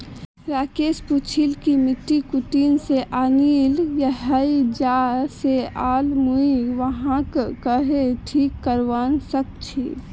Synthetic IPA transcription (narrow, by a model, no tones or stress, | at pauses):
ɾaːkeːsput͡ʃʰilkimɪʈːikuʈiːnseʔaːniːljəɦəid͡ʒaːseaːlmuiʋəɦãkkəɦeʈʰiːkːəɾʋaːnsək̚t͡ʃʰiː